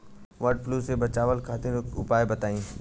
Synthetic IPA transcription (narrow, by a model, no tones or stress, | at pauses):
ʋɐɾɖplusebɐt͡ʃaːʋəlkʰaːt̪ɪɾʊpaːebɐt̪aːĩː